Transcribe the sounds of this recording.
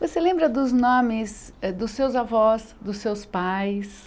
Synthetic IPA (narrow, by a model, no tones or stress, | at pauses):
voselẽmbɾɐd̪ʊznõmɪz | ɛd̪ʊsːewzavɔz | d̪ʊsewspajs